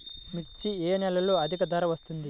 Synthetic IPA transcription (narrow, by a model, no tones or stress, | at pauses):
mikt͡ʃieːnɛlːɐloɐd̪ʱikɐd̪ʱɐːɾɐʋɐst̪und̪i